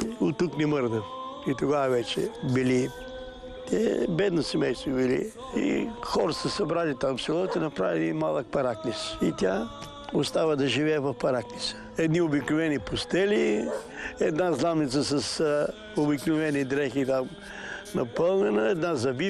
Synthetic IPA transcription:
ot̪ːuknɛməɾd̪əfit̪oɡavɐvɛt͡ʃɛ̰bili | t̪ɛbɛd̪nosɛmɛjst̪vobilḭ | ḭxɔɾəsəsɐbɾalit̪aɱfsɛlˠɔt̪ɛnɐpɾavilimalˠək̚pɐɾaknisit̪ʲja | ʊst̪avəd̪ɐʒivɛːvɐfpɐɾaknisə̥ɛd̪niobiknʊvɛnipʊst̪ɛli | ɛd̪nazlˠamnit̪səsɐs | obiknʊvɛnid̪ɾɛxit̪am | nɐpɤlˠnɛnəɛd̪nazɐbi

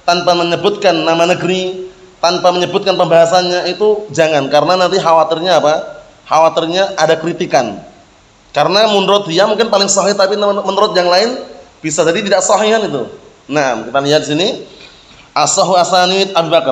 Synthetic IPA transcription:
t̪anpaməɲəbʊt̪̚kanːamanəɡɾi | t̪anpaməɲəbʊt̪̚kanpəmbaɦasanɲaʔit̪ud͡ʒaŋankaɾənanant̪iɦawat̪ɪrɲaːpa | hawat̪ɪrɲaʔadakəɾit̪ikan | kaɾənamunɾɔt̪̚diamuŋkɪnpalɪŋsɔɦɪht̪apinmənɾɔt̪̚jaŋlaɪnb̥isad͡ʒadit̪idaʔsɔɦiɦanit̪u | naʔa̰mkit̪aliɦat̪̚disini | ʔasɔɦuasanit̪̚abubakər

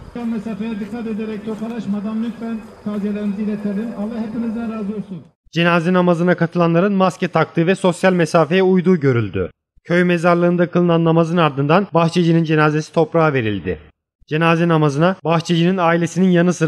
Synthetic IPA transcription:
alʲmesaːfejad̪ɯkʰːat̪e̞d̪eɾɛc̚t̪ʰopʰalˠaʃmad̪amlʲyk̪fænkʰazjelʲeɾinizilʲet̪ʰeɾlʲinalˠaɦepinizd̪ænɾaːzolˠsun | d͡ʒenaːzɛnamazɯnakʰat̪ʰɯlˠanlˠaɾɯnmascɛt̪ʰak̚t̪ˠɯvɛso̞sjalʲmesaːfe̞jɛujd̪uːɟø̞ɾylʲd̪y̰ | cʰøjmezaɾlˠɯːnd̪akʰɯlˠɯnanːamazɯnaɾd̪ɯnd̪anbaxt͡ʃʰed͡ʒɯnind͡ʒe̞naːze̞si̥t̪ʰo̞pɾaːave̞ɾilʲd̪ɪ̰ | d͡ʒe̞naːzɛnamazɯnabaxt͡ʃʰed͡ʒɯninaːilʲe̞sininjanɯsɯ

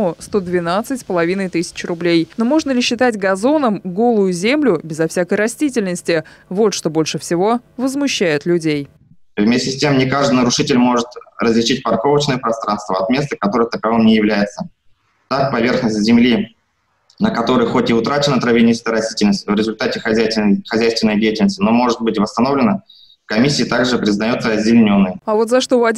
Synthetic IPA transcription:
ʊst̪o̞d̪vʲɪnat̪sɨtʲsʲpəlˠɐvʲinəjt̪ɨsʲɪ̥t͡ɕrʊblʲejno̞mo̞ʐnəlʲɪɕːɪt̪atʲɡɐzo̞nəmɡo̞lˠʊjʊzʲemlʲʊbʲɪzɐfsʲakəjɾɐsʲtʲit̬ʲɪlʲnəsʲtʲɪvo̞t̪ʂt̪o̞bo̞lʲʂɨfsʲɪvo̞vəzmʊɕːæjʊt̪lʲʉdʲej | vmʲesʲtʲɪsʲtʲemnʲɪkaʐd̪ɨnəɾʊʂɨtʲɪlʲmo̞ʐɨt̪rəzʲlʲɪt͡ɕit̚ʲpɐrko̞vət͡ɕnəjəpɾɐst̪ɾanst̪vəɐt̪mʲe̞st̪əkɐt̪o̞ɾəjət̪əkɐvɨmnʲɪjɪvlʲæjɪt̪sə | t̪ak̚pɐvʲe̞rxnəsʲtʲzʲɪmlʲi | nəkɐt̪o̞ɾəjxo̞tʲɪʊt̪ɾat͡ɕɪnət̪ɾəvʲɪnʲiskəəɾɐsʲtʲi̥tʲɪlʲnəsʲtʲvɾʲɪzʊlʲt̪atʲɪxɐxɐzʲæjst̪vʲɪnːəjdʲejɪtʲɪlʲnəsʲtʲɪno̞mo̞ʐɨt̪̚bɨtʲvəst̪ɐno̞vlʲɪnə | fkɐmʲisʲɪːt̪aɡʐɨpɾʲɪznɐjot̪səɐzʲdʲɪlʲnʲo̞nːəjɐvo̞t̪zɐʂt̪o̞vɐ

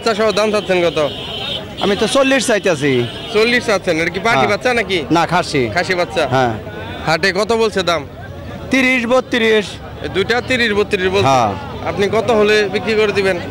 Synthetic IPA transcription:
tːɕʰaʃɔɦod̪amt̪ʰat̪ːʰenkɔt̪o | a̰mit̪ot͡solːiʃsajt̪easʰi | t͡ɕolːiʃsatːt͡ɕʰeneʈak̬ipaʈibat̪ːɕʰanakinakʰaʃikʰaʃiβat̪ːɕʰaɦɛ̃ | haʈekɔt̪obolt͡ɕʰed̪am | t̪iɾiʃ̬bot̚t̪ːiɾiʃ | d̪ujʈat̪iɾiʃbot̪ːiɾiʃbolɦʰea̰pnikɔt̪oɦolebikɾikoɾed̪iben

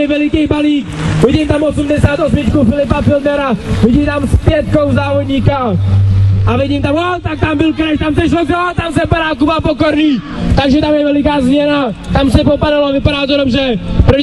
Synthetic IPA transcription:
ɛvɛlɪkɛjbaliːkvɪɟimt̪amosumdɛsaːt̪os̬mɪt̪kufɪlɪp̬afɪld̪ɛɾavɪɟit̪amspjɛt̪̚kowzavoɲika | ʔavɪɟimt̪amot̪ak̚t̪ambɪlkɾɛʃt̪ams̬ɛʃlozat̪amsɛpaɾaːkubapokoɾni | t̪aɡʒɛt̪amjɛvɛlɪk̬aːzmɲɛnat̪amsɛpopaɾalovɪpaɾaːt̪oɾomʒɛpɾɔ

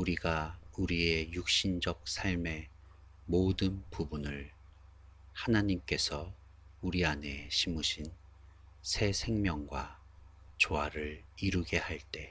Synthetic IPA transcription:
uɾiɡauɾie̞juk̚ɕ͈ind͡ʑʌk̚sʰaɭme̞ | modɯnpubunɯɭ | hanaɲimk͈e̞sʰʌ | uɾiane̞ɕʰimuɕʰin | sʰe̞sʰe̞ŋmjʌŋɡwa | t͡ɕoaɾɯɭiɾuɡe̞haɭt͈e̞

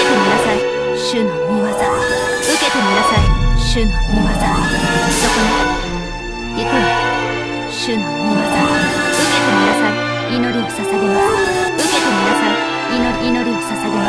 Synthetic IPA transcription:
et̪eminasan | ɕɯn | mɯmataɯket̪eminasaɾɕɯnmɯmat̪ad̪okoni | jekɯɾ | ɕɯn | mɯmasaɯket̪eminasãɾ | inoɾʲi̥sasaɡemasɯket̪eminasa | inoɾinoɾʲi̥sasaɡema

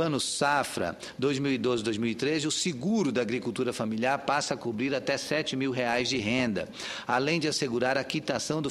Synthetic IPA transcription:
ɐ̃nʊsafɾɐ̰ | d̪ojzmiwid̪ozɪd̪ojzmiwit̪ɾezɪʊsɪɡuɾʊd̪ɐaɡɾikut̪uɾɐfamiliaɾpasɐakubɾiɾat̪ɛsɛt͡ʃɪmiwɦeajzd͡ʒɪɦẽnd̪ɐ̰ | alẽj̃d͡ʒɪaseɡuɾaɾɐkit̪asɐ̃w̃d̪ʊ

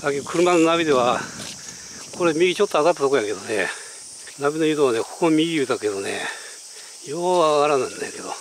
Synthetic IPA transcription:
sakekʰɯ̟ɾɯ̟manonabʲid̪e̞βa | kʰo̞ɾemʲiɡʲit͡ɕo̞t̪ːoaɣat̪ːat̪okojake̞d̪one̞̰ | nabʲinojɯd̪oβane̞kʰokomʲiɡʲiɯt̪ake̞d̪o̞nḛ | joːβaɡaɾanaĩnd̪eke̞d̪o̞̰

